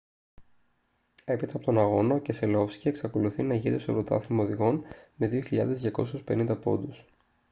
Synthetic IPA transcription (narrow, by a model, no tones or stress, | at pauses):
e̞pit̪ɐpot̪o̞nɐɣo̞nɐce̞se̞lo̞fscieksɐkoluθinɐʝit̪e̞soɾot̪ɐ̰θimɐoðiɣo̞nme̞ðioçiʎɐ̰ðe̞zðʝɐko̞suspe̞nind̪ɐpo̞̰nd̪us